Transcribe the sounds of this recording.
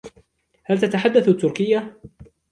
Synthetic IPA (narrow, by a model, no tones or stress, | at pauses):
halt̪at̪aħad̪ːaθat̪ːʊɾkɪjːa